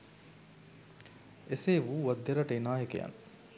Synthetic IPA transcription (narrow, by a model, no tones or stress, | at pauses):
eseːʋuːʋɐd̪ːeɾɐʈeinaːjekḛjɐ̰n